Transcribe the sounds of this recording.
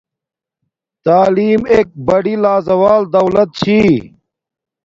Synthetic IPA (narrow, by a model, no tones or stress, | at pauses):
t̪aːliːmeːk̚bɐɽilaːzɐwaːld̪ɐwlɐt̪̚t͡ɕʰiː